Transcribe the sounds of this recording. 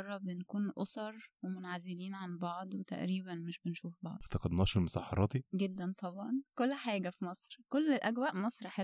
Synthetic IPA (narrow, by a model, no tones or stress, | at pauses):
ɑrˤːɑbenkuːnʔo̰sˤɑɾˤwemonʕazɪliːnʕanbɑʕd̪ˤwet̪æ̰ʔɾiːbænmeʃbenʃuːfbɑ̰ʕd̪ft̪ɑqɑd̪nɑːʃelmosɑ̰ħɑ̰ɾˤʔɑːt̪iɡed̪ːænt̪ˤɑbʕɑnkolːħaːɡæfimɑsˤɾkolːelʔæɡwæːʔmɑsˤɾħe